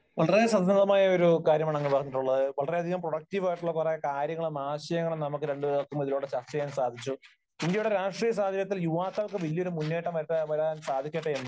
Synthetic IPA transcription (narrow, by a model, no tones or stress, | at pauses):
ʋɐɭɐresɐnd̪ɐnd̪ɐmaːjɐoɾukaːɾjɐmaːɳɐŋːɐnipɐrɐɲːiʈːuɭːɐðɨʋɐɭɐreɐd̪ʱiɣɐmproɽɐk̚tiʋaːjiʈːuɭːɐkːureɐkaːɾjɐŋːɐɭmaːɕɐjɐŋːɐɳɐmnɐmukːɨɾe̞ɳɖɨɐkːumiðiloːɽet͡ɕɐrt͡ɕɐjaːnsaːd̪ʱit͡ɕːu | ind̪jɐjuɽeɾaːʂʈriːjɐs̬aːd̪ʱɐjɐt̪ːiljuʋaːk̪ːaːɭkɨʋilːjoɾumunːe̞ːʈːɐmɐʈːɐʋɐɾansaːd̪ʱikʲːeːʈːeenːu